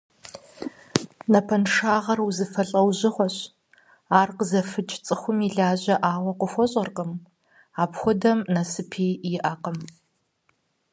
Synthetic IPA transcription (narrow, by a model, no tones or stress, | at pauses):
nɐpʰɐnʂaːʁɐruzɨfɐɬʼɐwʑɪχʷɔɕ | aːrqəzɐfɨt͡ʃʼt͡sʼɨxʷʊmiɮaːʑɐʔaːwɐqʷʊxʷɔɕʼɐrqʼəm | aːpxʷʊdɐmnɐsɨpʰiːjɪʔɐqəm